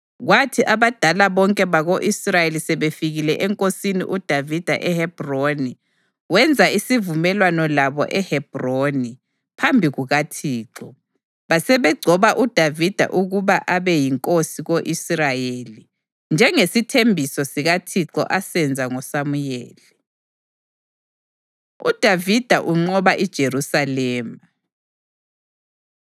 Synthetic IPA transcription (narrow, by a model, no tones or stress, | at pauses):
ɣwatʰiʔaβad̥ʱalaβɔŋkʼɛβaɣoʔisrajelisɛβefiɣilɛʔɛŋkʼosinḭʔud̥ʱavid̥ʱa̰ʔɛhɛb̥ʱroni | wɛnd͡zʱaisivumɛlwanɔlaβɔ̰ʔɛhɛb̥ʱroni | pʰambʱiɣuɣatʰiːǁɔ | βasɛβɛɡ͡ǀʱɔβaʔud̥ʱavid̥ʱa̰ʔuɣuβaʔaβɛjiŋkʼosiɣoʔisrajeli | nd͡ʒʱɛŋesitʰembʱisɔsiɣatʰiǁɔ̰ʔasɛnd͡zʱaŋɔsamujeːli | ṵd̥ʱavid̥ʱaʔuŋ͡ǀɔβaʔid̥ʒ̥ʱeɾusalɛːma